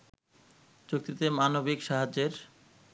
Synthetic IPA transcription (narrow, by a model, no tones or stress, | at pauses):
t͡ɕok̚t̪it̪emanobikʃaɦad͡ʑeɾ